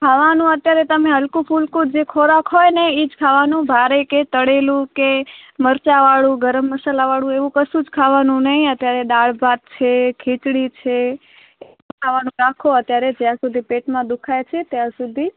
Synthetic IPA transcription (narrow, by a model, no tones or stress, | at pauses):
kʰaʋanũət̪jaɾet̪əmẽɦəlkũpʰulkud͡ʒekʰoɾakɦojneid͡ʒkʰaʋanũbʱaɾeket̪əɽelũkeməɾt͡ʃaʋaɭũɡəɾəmːəsalaʋaɭũeʋũkəsud͡ʒkʰaʋanũnəɦĩət̪jaɾeɗ̪aɭbʱat̪̚t͡ʃʰekʰit͡ʃɽit͡ʃʰe | ẽ | kʰaʋanũɾakʰoət̪jaɾed͡ʒjãsud̪ʱipeʈmãd̪ukʰajt͡ʃʰet̪jãsud̪ʱi